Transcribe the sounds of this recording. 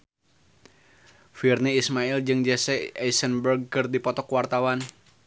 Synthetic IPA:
firniismaild͡ʒɨŋd͡ʒɛsɛɛjsənbərɡ̚kɨrdipɔt̪ɔkwart̪awan

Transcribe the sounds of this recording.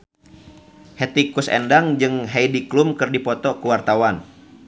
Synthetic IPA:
hɛt̪ikusɛ̰ndaŋd͡ʒɨŋɦɛjdiklumkɨrdipɔt̪ɔkuwart̪awan

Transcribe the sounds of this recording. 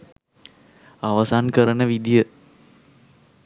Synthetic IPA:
aʋasankəɾənəʋid̪ijə

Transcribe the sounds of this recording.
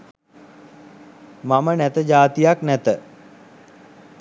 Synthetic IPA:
mamənæt̪əd͡ʒaːt̪ijaknæt̪ə

